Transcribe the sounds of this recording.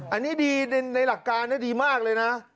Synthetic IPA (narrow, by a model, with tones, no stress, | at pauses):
ʔa˧nːiː˦˥diː˧na˧na˧jla˨˩kːaː˧nːaː˦˥diː˧maː˥˩k̚lɤː˧jna˦˥ʔ